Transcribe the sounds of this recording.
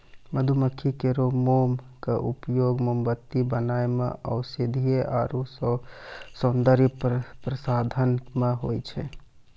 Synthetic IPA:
məd̪ʱuməkʰːikeɾomoːm | kaʔupjoːɡmombət̪ːibənaːemḛ̃ʔə̰ʊsed̪ʱijeʔaːɾus | sond̪əɾipɾəsaːd̪ʱənmeɦo̰ːit͡ʃʰɛ

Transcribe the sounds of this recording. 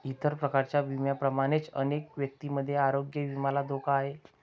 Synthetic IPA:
it̪əɾpɾəkaɾt͡ɕjaʋimjapɾəmaɽ̃et͡sə̰nekʋjək̚t̪iməd̪ʱːjeaɾoɡjəʋimalad̪okʰaːɦe

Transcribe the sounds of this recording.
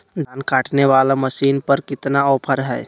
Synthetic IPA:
d̪ʱankaʈneβalaməsinpəɾkit̪naɔpʰəɾɦɛj

